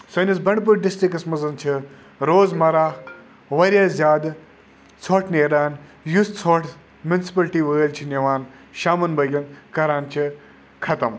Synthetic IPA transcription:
sɐnisbɐɳɖpuɾɖisʈɾikɐsmɐzɐnt͡ʃʰi | ɾoːzmɐɾaː | ʋɐɾʲjaːzʲjaːd̪ | t͡sʰoːʈʰneːɾaːnjust͡sʰoʈʰ | mʲjunsi̥pɐlʈiːʋɐɣəlt͡ʃʰinʲɐʋaːn | ʃaːmɐnbɐɡʲɐnkɐɾaːnt͡ʃʰi | kʰɐt̪ɐm

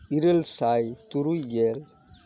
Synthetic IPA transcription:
iɾelsajt̪uɾujɡel

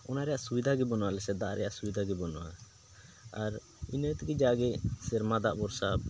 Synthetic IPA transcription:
ɔnaɾɛjaʔsubid̪ʱaɡɛbɔnɔwalɛsɛd̪aʔɾɛjaʔsubid̪ʱaɡɛbɔnɔwa̰ | aɾ | inət̪ɡɛd͡ʒaɡɛsɛɾmad̪aʔbɔɾsab̚

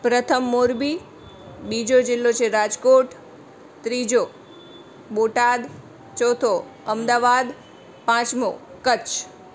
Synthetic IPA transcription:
pɾət̪ʰəmːoɾbi | bid͡ʒod͡ʒɪlːot͡ʃʰeɾad͡ʒkoʈ | t̪ɾid͡ʒo | boʈad̪ | t͡ʃɔt̪ʰo | əmd̪aʋad̪ | pãt͡ʃmokət͡ʃʰ

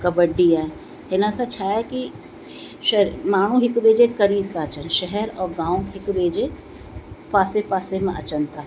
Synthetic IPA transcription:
kɐbəɖijaɛ | hɪnasat͡ʃʰaːɛki | ʃmaːɽ̃ũɦɪkbeːd͡ʒekɐɾiːb̚t̪aːt͡ʃənʃɛɦɛɾɔːɾɡãːw̃ɦɪkbeːd͡ʒe | paːsepaːsemẽʔɐ̰t͡ʃənt̪aː

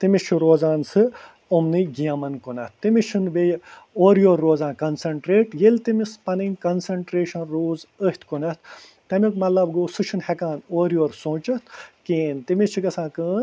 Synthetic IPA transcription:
t̪imit͡ʃʰuɾoːzaːnsɨ | umniɡijɐmɐnkunɐt̪̚ʰt̪ːimit͡ʃʰunʋejoːɾjoːɾːoːzãːnkɐnsɐɳʈɾeːʈjelʲt̪imispɐniŋɡkɐnsɐɳʈɾeːʃɐnɾoːzəht̪ʰkunɐt̪̚ʰ | t̪ɐmikmɐlɐbɡoːsɨt͡ʃʰunhɛkaːnoːɾjoːɾsõːt͡ʃɐt̪ʰkiːnt̪imit͡ʃʰiɡɐsãːkəːn

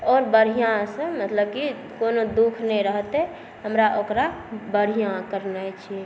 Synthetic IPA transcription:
ɔːɾbəɾ̤ijãsə̃mət̪ləb̚ki | konod̪ukʰnɛɾəɦt̪e | ɦəmɾaʔokɾabəɽ̤ijãkəɾnat͡ʃʰi

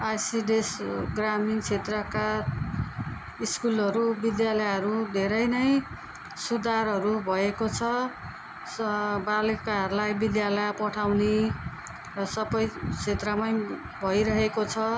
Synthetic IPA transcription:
ajsiɖesɡramint͡sʰet̪rʌka | iskulʌɾubid̪jalʌjɦʌɾud̪ʱeɾʌjnʌj | sud̪ʱarɦʌɾubʱʌekot͡sʰʌ | sbalekaɦʌrlajbid̪jalʌjpʌʈʰawni | rʌsʌbʌjt͡sʰet̪rʌmʌj | bʱʌjɾʌɦekot͡sʰʌ

